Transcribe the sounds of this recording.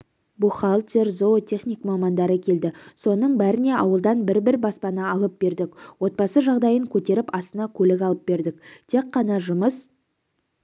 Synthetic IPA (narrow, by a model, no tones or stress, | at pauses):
buχɑlˠt̪ʲeɾzot̪ʰe̞χnijkmɑmɑnd̪ɑɾəkʲʰe̞ld̪ɪso̞nəɴbæɾɪne̞ʔɑwəlˠd̪ɑnbɪɾbɪɾbɑspɑnɑɑlˠəp̚be̞ɾd̪ɪkwo̞t̪̚pɑsəʒɑʁd̪ɑjəŋkʲʰɵt̪e̞ɾɪpɑst̪ənɑkʲʰɵlɪkɑlˠəp̚be̞ɾd̪ɪkt̪ʰe̞kqːɑnɑʒʊməs